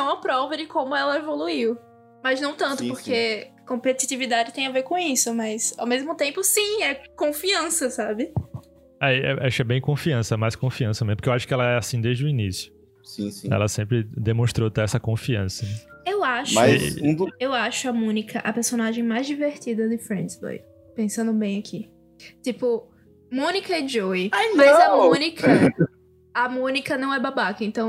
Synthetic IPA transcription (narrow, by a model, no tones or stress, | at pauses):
ɐ̃w̃mɐpɾɔvɐd͡ʒɪkõmʊɛlɐevoluiw | mɐznɐ̃w̃t̪ɐ̃nt̪ʊpoɾkekõpet̪it̪ivid̪ad͡ʒɪt̪ẽj̃aveɾkõisʊmɐsa̰wmezmʊt̪ẽmpʊsĩɛkõfiɐ̃sɐsabɪ | aɛ̰ʔaʃɛbẽj̃kõfiɐ̃sɐɛmajskõfiɐ̃sɐmẽpoɾkewaʃʊ̥kɪɛlɐɛasĩd̪ezd͡ʒʊinisjʊ | sĩsĩɛ̰lɐsẽmpɾɪd̪emõʃt̪ɾot̪eɛsɐkõfiɐ̃sɐnɛewaʃaũd̪ewaʃʊɐmõnikɐʔɐpeɾsõnaʒẽj̃majzd͡ʒiveɾt̪id̪ɐd̪ɪfɾẽnd̪zbo̰j | pẽsɐ̃nd̪ʊbẽj̃ɐkʰi | t̪ipʊ | mõnikɐɛd͡ʒoianmazamõnikɐ | ɐmõnikɐnɐ̃w̃ɛbabakɐẽnt̪ɐ̃w̃